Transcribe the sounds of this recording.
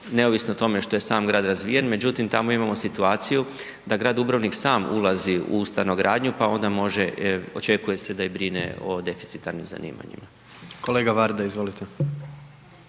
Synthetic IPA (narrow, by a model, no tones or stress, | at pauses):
ne̞oʋisnot̪o̞me̞ʃt̪o̞je̞saːmɡɾaːd̪ɾazʋḭːjenme̞d͡ʒut̪imt̪amo̞imamo̞sit̪uaːt̪siju | d̪aɡɾaːd̪ubɾaʋniksaːmṵlˠaziṵust̪aʋnoɡɾaːd̪ɲupao̞nd̪amo̞ʒeot͡ʃe̞kuje̞se̞d̪aibɾinḛo̞d̪e̞fit̪sit̪aɾnimza̰nḭːma̰ɲḭma | koleɡaʋaɾd̪aizʋolit̪ʰe